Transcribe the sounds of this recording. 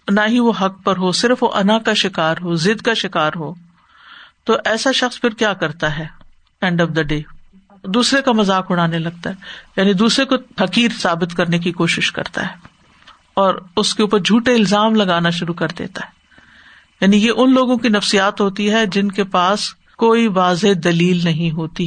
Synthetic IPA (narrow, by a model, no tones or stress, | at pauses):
naːɦiʋoɦɐk̚pɐɾɦosɪɾfʋoʔɐnakaʃɪkaːɾɦoːzɪd̪kaʃɪkaːɾɦoː | t̪oʔɛːsaʃɐxspʰɪɾkjaːkɐɾt̪aɦɛː | ɛ̃ɳɖɔʋd̪ɐɖeː | d̪uːsɾekamɐzaːkʊɽ̃aːnelɐɡ̚t̪aɦɛːjaːnid̪uːsɾekofɐkiːɾsaːbɪt̪kɐɾnek̬ikoːʃɪʃkɐ̰ɾt̪a̰ɦɛː | ɔːɾʊskeuːpəɾd͡ʒʱuːʈeɪlzaːmlɐɡaːnaʃʊɾukɐɾd̪ḛːt̪aɦɛː | jaːnijeʔʊnloːɡõkinɐfsijaːt̪ɦoːt̪iɦɛd͡ʒɪnkepaːs | koːiʋaːzed̪ɐliːlnɐɦĩɦoːt̪i